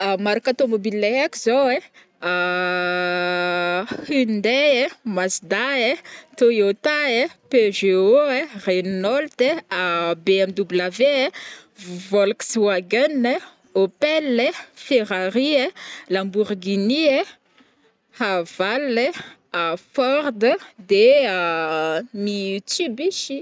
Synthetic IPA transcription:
amaɾakat̪omobilːeakizoe | a | hind̪eemasd̪aet̪ojot̪aepeʒeoerennɔlt̪eabeɛmd̪ublavee | vvɔlkswaɡanə | opɛlːefeʁaɾielambuʁɡinie | hav̥ale | afɔɾd̪əd̪ea | nit̪ybiʃi

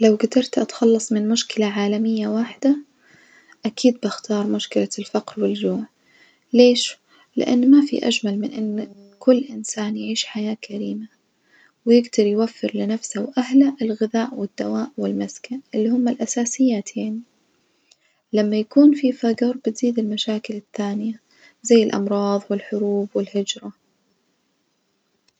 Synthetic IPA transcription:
lawɡad̪ɑɾˤt̪ʔat̪xɑlːɑsˤmɪnmʊʃkɪlaʕaːlamɪjːawaːħɪd̪a | ʔakiːd̪̚bɪxt̪ɑːɾˤmʊʃkɪlalfaqɾwɪld͡ʒuːʕ | leːʃ | lɪ̰ʔa̰nːmafḭʔa̰d͡ʒmalmɪnʔɪnː | kʊlːʔɪnsaːnjʕiːʃħajaːkʰaɾiːma | wjɪɡd̪ɑɾˤjwafːɪɾlɪnafsawʔahlaʔɪlɣɪðaːʔwɪd̪̥ːawaːʔwɪlmaskanʔɪlːihʊmːalʔasaːsɪjːaːt̪ʰeːn | lamːajakuːnfifaɡɨɾˤbɪt̪z̥iːd̪ɪlmaʃaːkɪlɪθːaːnɪja | zajːɪlʔɑ̰mɾˤɑːðˤwɪlħʊɾuːbwɪlhɪd͡ʒɾˤɑ

